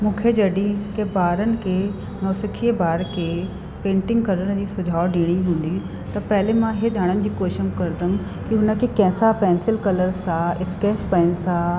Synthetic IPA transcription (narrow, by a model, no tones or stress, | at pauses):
mũːkʰed͡ʑɐɗĩkebaːɾənɪ̆kʰeː | nɔːsɪkʰiəbaːɾkʰeː | pẽːɳʈɪ̃ŋɡkɐlənɪ̆d͡ʑiːsʊd͡ʑʱaːoɖiːɽ̃iɦũːn̆d̪i | t̪ɐpɐɦɪlemãɦed͡ʑʱaːɽ̃ənɪ̆d͡ʑiːkoːʃəmkɐɾd̪əm | kiɦʊnə̆kʰekɛ̃ːsapɛ̃ːnsɪlkɐləɾsãɪskeːspɐɪnɪ̆sã